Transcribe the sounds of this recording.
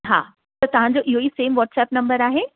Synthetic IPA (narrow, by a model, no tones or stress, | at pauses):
ɦa̰ː | t̪ɐt̪ɐʋ̤ãɲd͡ʑoʔɪɦoiːseːmʋɔːʈsɛːpnɐ̃mbəɾaːɦe